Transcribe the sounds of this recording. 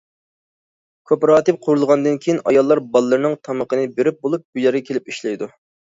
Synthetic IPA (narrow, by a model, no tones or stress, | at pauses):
kʲʰøpɾɑːt̪ɨp̚qʰʊɾulˠʁɑnd̪ɨnkʲʰejinʔɑ̰jɑlˠːɑɾbɑlˠːɨɾnɨŋt̪ʰɑməqʰənɨbeɾɪp̚bolˠup̚byjɛɾɡʲɛkʲʰelɪp̚iʃlɛjd̪u